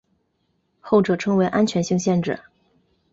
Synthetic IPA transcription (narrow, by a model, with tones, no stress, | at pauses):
xo˥˩ʊʈ͡ʂɤ˨˩ʈ͡ʂʰɤ˧˥ŋwe˧˥ɪʔa˥nt͡ɕʰɥɛ˧˥nɕi˥˧ŋɕjɛ˥˧nʈ͡ʂɻ̩̰˥˩